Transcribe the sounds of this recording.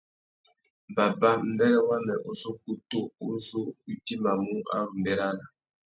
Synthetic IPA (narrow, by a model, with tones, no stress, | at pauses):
ba˨ba˦m̩˦bɛ˦lɛ˦wa˦mɛ˨ʔo˦so˦ku˦to˦u˦so˦i˦ti˦ma˨mu˦a̰˦ɾu˨mbɛ˨ɾa˦na˨